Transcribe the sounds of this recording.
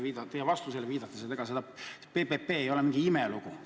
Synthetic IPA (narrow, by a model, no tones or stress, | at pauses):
viːd̪ɑt̪ejevɑst̪uselːeviːd̪̥ɑt̪ːˑeset̪eɡ̥ɑsed̪ɑpepepe̞ːjo̞lemiŋɡ̥iimɛluɡ̥u